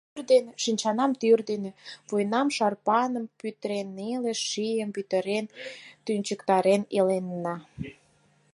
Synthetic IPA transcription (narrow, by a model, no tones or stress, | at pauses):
rd̪enʃinʲt͡ɕɑnɑmt̪yrd̪enevojnɑmʃɑrpɑnəmpyt̪əɾeneleʃijəmpyt̪ə̆ɾent̪ynʲt͡ɕəkt̪ɑɾenelenːɑ